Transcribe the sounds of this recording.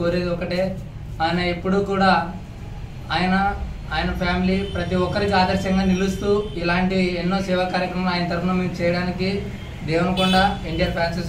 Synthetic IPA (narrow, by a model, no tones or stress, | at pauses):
oːɾeːd̪iɔkɐʈeː | aːjɐnɐepːuɽuːkuːɽaː | aːjɐnɐ | aːjɐnɐpʰaːmilipɾɐt̪iɔkːɐɾikiaːd̪ɐɾʃɐŋɡaːnilust̪uːilaːɳʈienːo̞ːsɛːʋaːkaːɾjɐkɾɐmɐlaːjɐnɐt̪ɐɾupɐnɐmeːmut͡ʃɛːjɐɽaːniki | d̪ɛːʋɐnɐkuɳɖaːiɳɖijɐɾpʰjaːnseːs